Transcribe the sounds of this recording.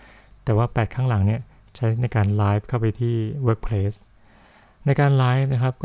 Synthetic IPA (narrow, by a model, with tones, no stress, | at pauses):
t̪ɛː˨˩waː˥˩pɛː˨˩t̪̚kʰaː˥˩ŋla˩˦ŋni˥˩ɐ | t͡ɕʰa˦˥jn˥na˧jkaː˧nlaː˦˥jfkʰa˥˩wpa˧jt̪ʰiː˥˩wɤː˦˥k̚pʰleː˦˥s | na˧jkaː˧nlaː˦˥jf̚na˦˥kʰa˦˥p̚kɔː˥